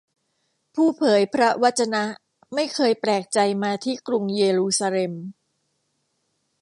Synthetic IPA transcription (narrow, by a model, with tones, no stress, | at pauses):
pʰuː˥˩pʰɤː˩˦jpʰɾa˦˥wa˦˥t̪̚t͡ɕa˧na˦˥ʔ | ma˥˩jkʰɤː˧jpɾɛː˨˩k̚t͡ɕa˧jmaː˧t̪ʰiː˥˩kɾu˧ŋjeː˧ɾuː˧saː˧le˧m